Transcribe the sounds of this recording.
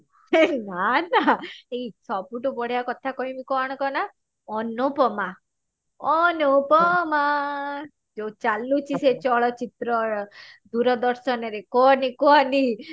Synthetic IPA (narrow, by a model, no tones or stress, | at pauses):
nanaeisʰɔpuʈubɔɽijakɔt̪ʰakɔimikɔaɽ̃ɔkɔna | ɔnupɔma | ɔnupɔma | d͡ʒot͡ʃalut͡ʃʰiset͡ʃɔɭɔt͡ʃit̪ɾɔɾd̪uɾɔd̪ɔɾsɔnɔɾekɔnikɔɔni